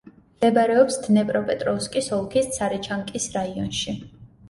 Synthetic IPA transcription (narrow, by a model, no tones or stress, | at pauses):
md̪ɛbaɾɛɔpsd̪̥nɛpʼɾɔpʼɛt̪ʼɾɔuskʼisɔlˠkʰist̪sʰaɾɛt͡ʃʰaŋkʼisɾaiɔnʃi